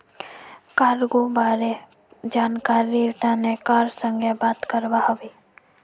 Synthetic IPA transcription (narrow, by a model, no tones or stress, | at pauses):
kaːɾɡobaːɾe | d͡ʒaːnkaːɾiɾt̪ʰanekaːɾsə̃ŋɡʱebaːt̪kəɾbaɦʋi